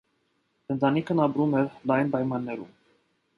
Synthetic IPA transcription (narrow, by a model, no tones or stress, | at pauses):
ənt̪ɑnikʰənɑpɾumɛɾlɑjnpɑjmɑnːɛɾṵm